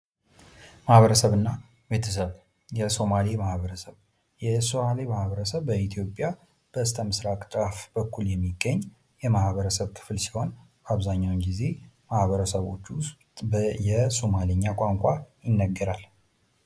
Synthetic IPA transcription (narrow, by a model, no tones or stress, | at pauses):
mahβəɾəsəβɨnːa | be̞t̪ʰəs̬əβ | jɛso̞malemahβəɾəsəβ | jɛso̞malemahβəɾəsəβbəit̪ʰijo̞pʼja | b̥əɨst̪ʰəmɨsɾakʼt͡ʃ̪ʼafbəkʰːuljɛmːiɡːəɲː | jɛmahβəɾəsəβkʰɨ̥flsi̥ho̞n | baβzaɲːawnɡize̞mahβəɾəsəβo̞t͡ʃːs | jɛso̞maləɲːakʼaŋkʷʼajɪnːəɡːəɾal